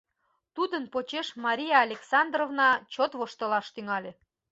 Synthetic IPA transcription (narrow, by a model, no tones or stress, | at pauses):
t̪ud̪ənpot͡ɕeʃmɑɾʲijɑːlʲeksɑnd̪rovnɑt͡ɕot̪βoʃt̪əlɑʃt̪yŋɑlʲe